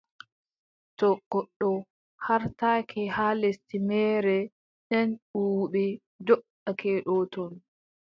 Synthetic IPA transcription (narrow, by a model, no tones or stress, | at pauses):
tɔɡɔɗːɔ | haɾtakʰɛhalestimɛːɾɛ | ɗɛnɗuɓɛ | dɔʔ | akʰɛɗɔtɔn